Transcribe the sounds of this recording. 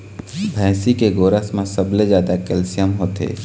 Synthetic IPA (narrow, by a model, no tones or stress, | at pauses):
bʱɛ̃ːsikeɡoːɾəsmẽsəbled͡ʒjaːd̪akɛlsɪjəmɦoːt̪ḛː